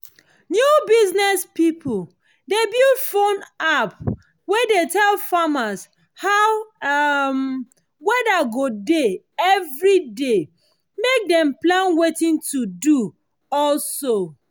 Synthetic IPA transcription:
njubiznɛspipʰl̩ | debildfõnap | wɛdetʰɛlfamas | haʊ | m | wɛdaɡode | ɛvɹide | mek̚dɛ̃mplãnwetĩntudu | ɔlso

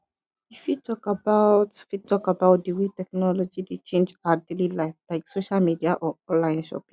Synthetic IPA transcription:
ifjitʰɔkabaʊtfitɔkabaʊt̚diwitɛk̚nɔlɔd͡ʒidit͡ʃẽnd͡ʒadelilaɪflaɪksoʃalmidiaʔɔɔ̃nlaɪ̃nʃɔ̰pĩ

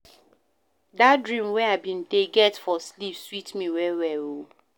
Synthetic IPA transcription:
datdɹĩmwɛaɪbĩndeɡɛtfɔslipswitmiwɛwɛwo

